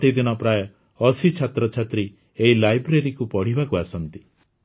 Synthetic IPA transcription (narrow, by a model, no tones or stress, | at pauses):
t̪id̪inɔpɾajɔ | ɔsit͡ʃʰat̪ɾɔt͡ʃʰat̪ɾi | eɦilajbɾeɾikupɔɽ̤ibakuasɔnt̪i